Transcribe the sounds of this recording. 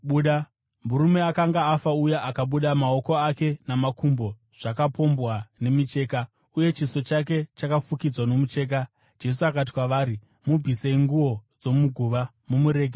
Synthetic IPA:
ɓuːɗa | muɾume̞akaŋɡaːfaujaʔakaɓuɗamao̞ko̞ake̞namakumbo̞ | ʐ̥akapo̞mbwane̞mit͡ʃe̞ːka | uje̞t͡ʃiso̞t͡ʃak̬e̞t͡ʃakafukid͡zwano̞mut͡ʃe̞ːk̬a | d͡ʒe̞s̬uakat̬i̥kwaʋaɾi | mub͡viseiŋɡuwo̞d͡zo̞muɡʱuʋa | mumuɾe̞ːɡʱe

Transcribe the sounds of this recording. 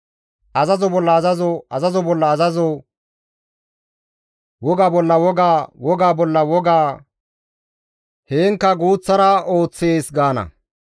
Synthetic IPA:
ʔɐzɐzɔbɔlːɐːzɐzɔɐzɐzɔbɔlːɐːzɐzɔ | wɔɡaːbɔlːɐwɔɡawɔɡaːbɔlːɐwɔɡaː | heːŋkːɐɡuːt͡sːɐɾɐʔo̞ːt͡sːe̞ːsɡaːnɐ̰

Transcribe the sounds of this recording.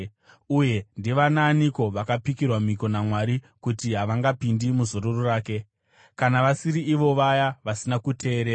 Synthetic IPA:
uje̞ndiʋananiko̞ʋakapikirwamiko̞namwaɾi | kutiɦaʋaŋɡapindimuzo̞ɾororaːke̞ | kanaʋasiɾiːʋo̞ʋajaʋasinakutʰe̞ːɾeːa

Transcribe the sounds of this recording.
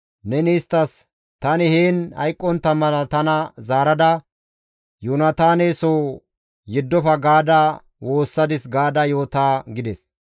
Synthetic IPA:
nɛniːst̪ːɐs | t̪ɐnɪheːnɐ̰jkʼːɔnt̪ːɐmɐlɐt̪ɐnɐzaːɾɐd̪ɐ | junɐt̪aːneːsoː | jɪd̪ːɔfɐɡaːd̪ɐ | wo̞ːsːɐd̪ɪsɡaːd̪ɐjo̞ːt̪aːɡɪd̪ɛs

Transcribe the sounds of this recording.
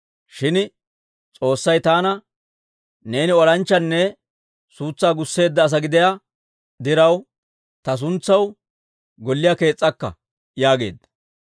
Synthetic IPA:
ʃɪn | t͡sʼo̞ːsːɐjt̪aːnɐ | ne̞ːnɪɔɾɐnt͡ʃːɐnːɛ | suːt͡sːaːɡʊsːe̞ːd̪ːɐːs̬ɐɡɪd̪ɪja | d̪ɪɾɐw | t̪ɐs̬ʊnt͡sːɐw | ɡɔlːɪjake̞ːt͡sʼːɐkːɐ̰ | jaːɡe̞ːd̪ːɐ̥

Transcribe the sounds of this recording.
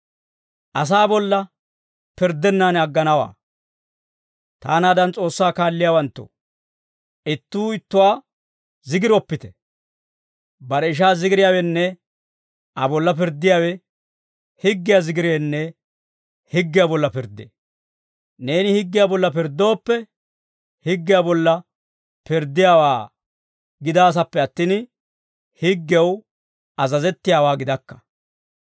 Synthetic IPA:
ʔɐs̬aːbɔlːɐ | pɪɾd̪ːɛnːaːnɐɡːɐnɐwa̰ː | t̪a̰ːnaːd̪ɐnt͡sʼo̞ːsːaːkaːlːɪjaːwɐnt̪ːo̰ | ɪt̪ːuːɪt̪ːʊwaː | zɪɡɪɾɔpːɪt̪ɛ̥ | bɐɾɛɪʃ̬aːzɪɡɪɾɪjaːwɛnːɛ | ʔɐbɔlːɐp̬ɪɾd̪ːɪjaːwɛ | hɪɡːɪjazɪɡɪɾeːnːɛ | hɪɡːɪjabɔlːɐpɪɾd̪ḛː | ne̞ːnɪhɪɡːɪjabɔlːɐp̬ɪɾd̪o̞ːpːɛ | hɪɡːɪjabɔlːɐ | pɪɾd̪ːɪjaːwaː | ɡɪd̪aːs̬ɐpːɛɐt̪ːiːn | hɪɡːɛw | ɐzɐzɛt̪ːɪjaːwaːɡɪd̪ɐkːɐ̥

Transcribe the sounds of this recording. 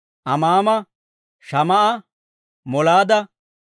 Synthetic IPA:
ʔɐmaːmɐ | ʃɐmɐʔɐ | mɔlaːd̪ɐ

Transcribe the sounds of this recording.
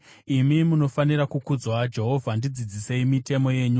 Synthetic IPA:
imimuno̞faniɾakukud͡zwad͡ʒe̞ɦo̞vʱandid͡zid͡zise̞imite̞mo̞je̞ɲu

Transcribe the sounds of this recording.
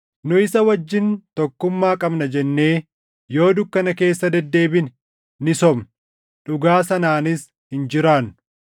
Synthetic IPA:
nʊɪsɐwɐd͡ʒːɪnt̪ɔkːʊmːaːkʼɐbnɐd͡ʒɛnːe̞ː | jo̞ːd̪ʊkːɐnɐke̞ːsːɐd̪ɛd̪ːe̞ːbɪn | nɪsɔm | ᶑʊɡaːsɐnaːnɪs | hɪnd͡ʒɪɾaːnːʊ

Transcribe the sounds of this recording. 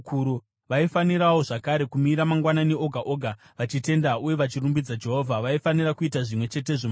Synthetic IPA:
kuɾu | ʋaifaniɾawo̞ʐakaɾe̞kumiɾamaŋɡwanane̞o̞ɡʱaʔo̞ːɡʱa | ʋat͡ʃite̞ndauje̞ʋat͡ʃirumbid͡zad͡ʒe̞ɦo̞ːvʱaʋaifanirakuitaʐimwe̞t͡ʃe̞t̬e̞ʐom

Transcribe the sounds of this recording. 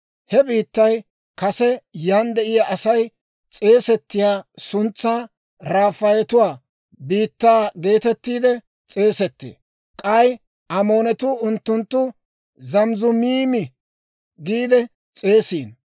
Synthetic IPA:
hɛbiːt̪ːɐj | kɐsɛjaːnd̪ɛʔɪjaʔɐsɐj | t͡sʼe̞ːsɛt̪ːɪjaːsʊnt͡sːaː | ɾaːfɐjɛt̪ʊwaː | biːt̪ːaːɡe̞ːt̪ɛt̪ːiːd̪ɛ | t͡sʼe̞ːsɛt̪ːḛː | kʼaj | ʔɐmo̞ːnɛt̪uʊnt̪ːʊnt̪ːʊ | zɐmzʊmiːmɪ | ɡiːd̪ɛ | t͡sʼe̞ːsiːn

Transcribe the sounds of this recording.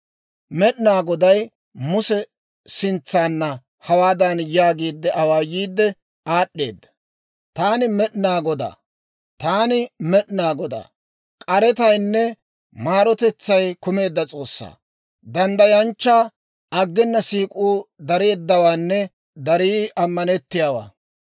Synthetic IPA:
mɛɗnaːɡɔd̪ɐj | mʊsɛ | sɪnt͡sːaːnːɐ | hɐwaːd̪ɐnjaːɡiːd̪ːɛʔɐwaːjiːd̪ːɛ | aːɗːe̞ːd̪ːɐ̥ | t̪aːnɪmɛɗɪnaːɡɔd̪a̰ː | t̪aːnɪmɛɗnaːɡɔd̪a̰ː | kʼɐɾɛt̪ɐjnːɛ | maːɾɔt̪ɛt͡sːɐjkʊme̞ːd̪ːɐt͡sʼo̞ːsːa̰ː | d̪ɐnd̪ɐjɐnt͡ʃːaː | ʔɐɡːɛnːɐsiːkʼuːd̪ɐɾe̞ːd̪ːɐwaːnːɛ | d̪ɐɾiːɐmːɐnɛt̪ːɪjaːwa̰ː

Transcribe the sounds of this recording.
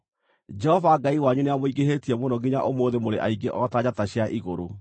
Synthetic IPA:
d͡ʒɛhɔvaɡaiwaɲuneamoiɡeɦetiɛmonɔɡiɲaʔomoːðemoɾeʔa̰iɡeʔɔtaɲataɕjaʔiɣoɾo

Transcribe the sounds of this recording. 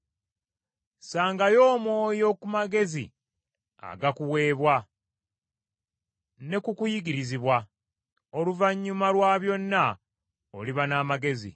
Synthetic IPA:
saːŋɡajo̞ːmwo̞ːjo̞kumaɡe̞zḭ | a̰ɡakuwe̞ːβwa | ne̞kukujiɡiɾiziβwa | oluvaɲːumalwaːβjo̞nːa | o̰liβanaːmaɡe̞zḭ

